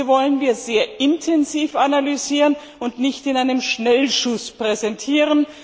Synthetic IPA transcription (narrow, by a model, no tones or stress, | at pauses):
əvɔlənviːɐzeːɐʔɪntʰɛnziːfanalyziːʁən | ʊntnɪçtɪnaɪnəmʃnɛlʃʊspʁ̥ɛzɛntʰiːʁən